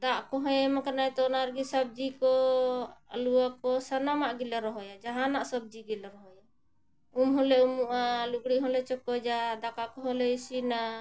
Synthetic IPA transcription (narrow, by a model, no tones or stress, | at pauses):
d̪aʔkɔɦɔ̃jɛmakanajt̪ɔnaɾɡisab̚d͡ʒikɔ | a̰luwakɔsanamaʔɡilɛɾɔɦɔjad͡ʒaɦanaʔsɔb̚d͡ʒiɡilɛɾɔɦɔja | umɦɔ̃lɛumuʔalukɽiɦɔ̃lɛt͡ʃɔkɔd͡ʒad̪akakɔɦɔlɛisina